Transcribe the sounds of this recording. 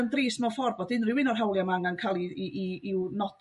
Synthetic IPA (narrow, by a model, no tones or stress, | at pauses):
əndriːsmɔfɔrbɔdɪnrɪwɪnɔrɦawlˠjamaŋankʰaːlˠiːwnɔd̥